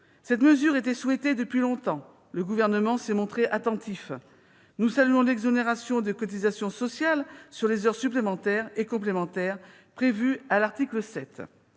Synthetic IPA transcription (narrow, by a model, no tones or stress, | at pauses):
sɛt̪məzyʁet̪ɛswɛt̪ed̪əpɥilɔ̃t̪ɑ̃ | ləɡuvɛʁnəmɑ̃sɛmɔ̃t̪χeʔat̪ɑ̃t̪if | nusalyɔ̃lɛɡzɔneʁasjɔ̃d̪əkɔt̪izasjɔ̃sɔsjalsyʁlezœʁsyplemɑ̃t̪ɛʁekɔ̃plemɑ̃t̪ɛʁ | pχevyalaʁt̪ikləsɛt̪